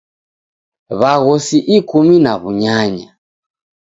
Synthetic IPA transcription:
βaɣɔsiʔikuminaβuɲaɲa

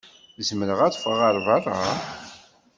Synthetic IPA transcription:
zmələʁæt͡sfəʁəɾˤvarˤa

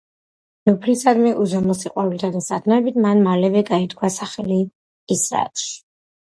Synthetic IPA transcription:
nupʰlisad̪mɛʔuzɔmɔsiqʼwavilt̪ʰad̪asat̪ʰnɔɛbit̪ʰmanmalɛvɛɡait̪kʰwasaχɛliː | sɾa̰t̪ʰʃ

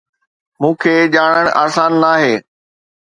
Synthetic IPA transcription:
mũːkʰeːʄaːɽ̃əɽ̃ʔaːsaːnːaːɦeː

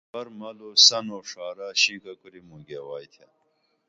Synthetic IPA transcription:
ɐɾmɐlosɐnoʂaːɾaɕikɐkuɾimuɡewaːjt̪ʰja

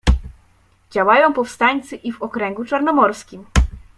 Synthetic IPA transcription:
d͡ʑawajɔ̃w̃pɔfst̪aɲʲt̪sɘʔivɔkɾɛŋɡut͡ʂaɾnɔmɔɾskʲim

